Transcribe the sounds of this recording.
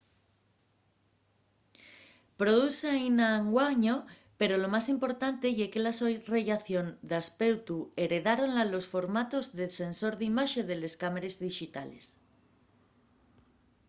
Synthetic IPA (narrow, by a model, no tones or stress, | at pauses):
pɾo̞ðuseainaŋɡwaɲo̞ | pe̞ɾo̞lo̞masimpo̞ɾt̪ant̪e̞ʝekelasoreʝaθjo̞nd̪aspe̞wt̪ue̞ɾe̞ðaɾo̞nlalo̞sfo̞ɾmat̪o̞zðese̞nso̞ɾðimaʃe̞ðe̞le̞skameɾe̞zðiʃit̪a̰le̞̰s